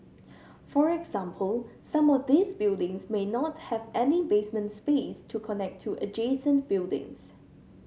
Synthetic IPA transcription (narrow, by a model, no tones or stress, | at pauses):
fɔɹɛɡz̥ãmpʰəlsãmɔfd̪isbɪlˠdɪ̃ŋsmenɔt̚hɛvʔɛnibesmə̃ntspestʰukʰɔnɛk̚tʰːuʔəd͡ʒesə̃nb̥ɪlˠdɪ̰̃ŋs